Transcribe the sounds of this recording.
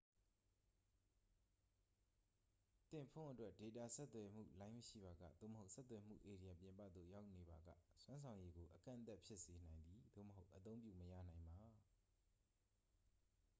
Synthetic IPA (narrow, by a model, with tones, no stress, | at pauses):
t̪ɪ̃˨pʰõ̰˦˨ʔətwɛ˦ʔd̥e˨t̪a˦˨sɛ˦t̪ːwɛ˨m̥ṵ˦˨lã˦ɪ̃məʃḭ˦˨ba˨ɡä̰˦˨d̪o̰˦˨məɦo˦ʊʔsɛ˦t̪ːwɛ˨m̥ṵ˦˨ʔe˨ɾi˨jã˨pjɪ̃˨mpä̰˦˨d̪ðo̰˦˨ja˦ʊʔne˨ba˨ɡä̰˦˨swã˦nsʰã˨ʊ̃je˦ɡo˨ʔəkã̰˦˨ʔnt̪a˦ʔpʰjɪ˦ʔse˨n̥ã˨ɪ̃nd̪ði˨d̪o̰˦˨məɦo˦ʊʔət̪õ˦ʊ̃mpjṵ˦˨məjä̰˦˨nã˨ɪ̃mba˨